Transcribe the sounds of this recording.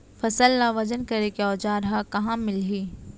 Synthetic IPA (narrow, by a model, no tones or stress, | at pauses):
fɐsəlnaʋɐd͡ʒənkɐɾekeɔːd͡ʒaːɾɦakɐɦãmɪlɦiː